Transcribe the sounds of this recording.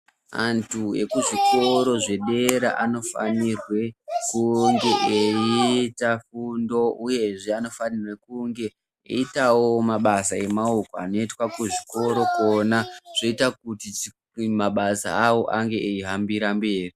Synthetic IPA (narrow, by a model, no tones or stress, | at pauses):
antʰue̞̰kuʐiko̞ɾo̞ʐe̞ɗe̞ɾa̰ʔano̞fa̰nirwe̞kuŋɡe̞ʔeitafundo̞uje̞ʐe̞ano̞fanirwekuŋɡe̞ | ḛitawo̞maɓasae̞maukoa̰no̞itwakuʐiko̞ɾo̞ko̞naʐ̥o̞itakutit͡ʃ | maɓasa̰ːwo̞ʔaŋɡe̞ʔeiɦambiɾambe̞ːri